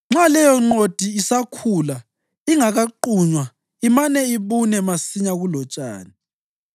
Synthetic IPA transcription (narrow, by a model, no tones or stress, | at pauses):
ŋ͡ǁalɛjɔŋ͡ǃod̥ʱiisakʰuːla | iŋaɣaǃuɲwa | imanɛiβunɛmasiɲaɣulɔt͡ʃʼa̰ːni